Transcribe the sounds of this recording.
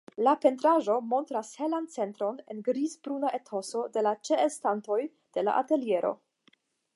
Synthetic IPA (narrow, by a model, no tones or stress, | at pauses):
lape̞ntɾaʒo̞mo̞ntɾashe̞lant͡se̞ntɾo̞nenɡɾizbɾunaʔetʰo̞so̞de̞lat͡ʃe̞elstanto̞j | d̥e̞la̰ʔate̞lije̞ɾo̞̰